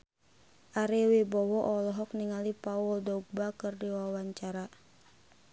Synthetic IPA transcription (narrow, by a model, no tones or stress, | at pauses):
ʔaɾewibɔwɔʔɔlɔɦɔk̚niŋalipauldɔuɡ̚bakɨrdiwawaɲt͡ʃaɾa